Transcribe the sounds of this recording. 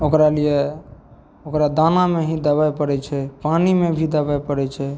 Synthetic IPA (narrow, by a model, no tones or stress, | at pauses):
okɾalie | okɾad̪anameɦĩd̪əbajpəɾɛt͡ʃʰɛpanimebʱid̪əbajpəɾɛt͡ʃʰɛ